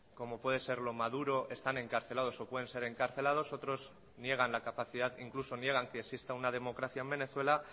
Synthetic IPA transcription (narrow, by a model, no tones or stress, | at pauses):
ko̞mo̞pwe̞ð̞e̞se̞ɾlo̞mað̞uɾo̞ʔe̞st̪ane̞ŋkaɾθe̞lað̞o̞so̞pwe̞ð̞e̞nse̞ɾe̞ŋkaɾθe̞lað̞o̞so̞t̪ɾo̞z | nje̞ɣ̞anlakapaθiðaðḭŋkluso̞nje̞ɣ̞aŋkeːksist̪aunað̞e̞mo̞kɾaθjae̞mbene̞θwe̞la